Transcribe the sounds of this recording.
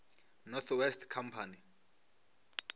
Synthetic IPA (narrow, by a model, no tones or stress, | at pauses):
nɔt̪ʰwɛstʰkʰampʰani